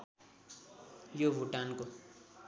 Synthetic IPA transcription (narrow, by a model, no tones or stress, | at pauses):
jobʱuʈanko